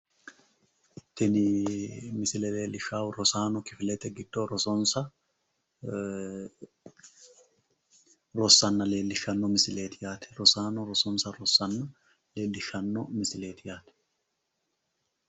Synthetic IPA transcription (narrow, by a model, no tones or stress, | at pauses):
t̪ɛnɪmɪsɪlɛleːlːɪʃaːwɾɔsaːnɔkɪfɪlɛt̪ɛɡɪd̪̥ːoːɾɔsɔnsɐ | ɾɔsːɐnːɐle̞ːlːɪʃːɐnːɔmɪsɪle̞ːt̪ɪjaːt̪ɛ̥ɾɔsaːnɔɾɔsɔnsɐɾɔsːɐnːɐ | le̞ːlːɪʃːɐnːɔmɪsɪle̞ːt̪ɪjaːt̪ɛ̥